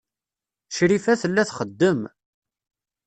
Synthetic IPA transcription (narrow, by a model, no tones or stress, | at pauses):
ʃɾifæθəlːæθχəd̪ːəm